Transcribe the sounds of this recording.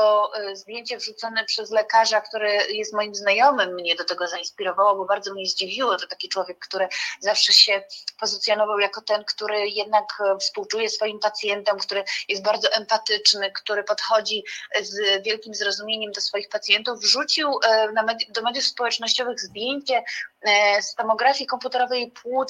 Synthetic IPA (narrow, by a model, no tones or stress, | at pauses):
ɔzd̪ʲjeɲt͡ɕɛvʐut̪sɔnɛpʂɛzlɛkaʐakt̪uɾɛjɛst̪mɔjimznajɔmɘmːɲɛd̪ɔt̪ɛɡɔzainspʲiɾɔvawɔbɔbaɾd̪zɔmɲɛzd͡ʑivʲiwɔt̪ɔt̪akʲit͡ʂwɔvʲjɛkːt̪uɾɘzafʂɛɕɛpɔzɘt̪sʲjɔnɔvawjakɔt̪ɛnkt̪uɾɘjɛd̪̚nakfspuwt͡ʂujɛsfɔjimpat̪sʲjɛnt̪ɛmkt̪uɾɘjɛst̪̚baɾd̪zɔʔɛmpat̪ɘt͡ʂnɘkt̪uɾɘpɔt̪xɔd͡ʑizvʲjɛlkʲimzɾɔzumʲjeɲɛmd̪ɔsfɔjixpat̪sʲjɛnt̪uvʐut͡ɕiwnamɛd̪jd̪ɔmɛd̪jufspɔwɛt͡ʂnɔɕt͡ɕɔvɘɣzd̪jeɲt͡ɕɛ | st̪ɔmɔɡɾafʲikɔmput̪ɛɾɔvɛjpʰwut̪